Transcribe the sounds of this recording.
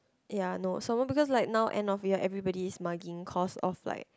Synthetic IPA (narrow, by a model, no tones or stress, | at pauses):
janosomɔbikɔs̬laɪk̚naʊʔɛ̰̃ndɔfjɔʔɛvɹibɔdiːsmaɡĩŋkʰɔsɔ̰fla̰ɪk̚